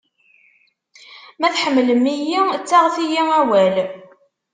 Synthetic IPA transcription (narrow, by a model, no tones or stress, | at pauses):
mæθħəmːləmijit͡sːaʁθijiæwæl